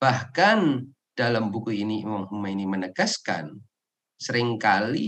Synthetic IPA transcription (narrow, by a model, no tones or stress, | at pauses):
bahkan | d̥alambukuiniwaŋhumainimənəɡaska̰n | səɾɪŋkali